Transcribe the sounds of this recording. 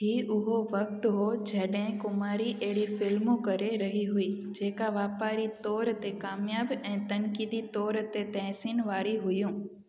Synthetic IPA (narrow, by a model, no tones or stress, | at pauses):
ɦiːʔʊɦoʋɐk̚t̪ɦod͡ʑʱɐɗɦɪ̃kʊmaːɾiʔɐɦɪɽifɪlmokɐɾeɾɐɦiɦʊiː | d͡ʑeːkaʋaːpaːɾit̪ɔːɾt̪ekaːmɪjaːbɛ̃ːt̪ɐnkiːd̪it̪ɔːɾt̪et̪ɛɦsiːnʋaːɾiɦʊjũː